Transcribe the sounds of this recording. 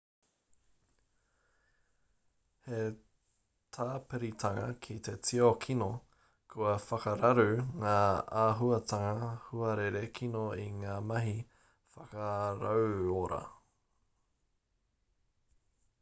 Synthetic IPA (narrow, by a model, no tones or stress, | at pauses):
he | t̪ʰaːpeɾit̪ʰɐŋɐkʰit̪e̞t͡siokʰino | kʰuɐfɐkɐɾɐɾʉŋaːaɦuɐt̪ɐŋɐhuɐɾeɾekʰinoiŋaːmɐɦi | fɐkɐɾɐwoɾɐ̰